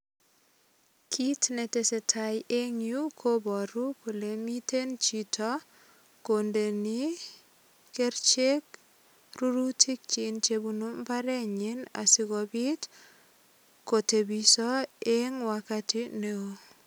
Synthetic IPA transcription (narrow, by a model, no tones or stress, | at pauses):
kʰitnetesetʰajʔeŋjukʰobɔɾupulemitent͡ʃitʰɔ | kondeni | keɾt͡ʃek | ruɾutʰik̚t͡ʃint͡ʃebunumpaɾeɲina̰siɡɔbit | kotebisɔeŋwakatineo